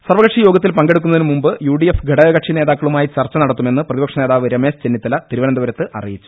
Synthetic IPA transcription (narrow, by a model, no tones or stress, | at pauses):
sɐrʋɐɣɐʈʂijo̞ːɡɐt̪ːilpɐŋɡe̞ɽuk̬ːunːɐðinɨmumbɨjuːɖiefɡʱeɽɐɡɐʈʂine̞ːðaːkːɐɭumaːjit͡ɕɐrt͡ɕːɐnɐɽɐt̪ːume̞nːɨprɐðibɐkʂɐneːðaːʋɨɾemeːst͡ɕenːit̪ːɐlɐt̪iɾuʋɐnɐnd̪uʋɐɾɐt̪ːɨʔɐ̰rḭjit͡ɕːu̥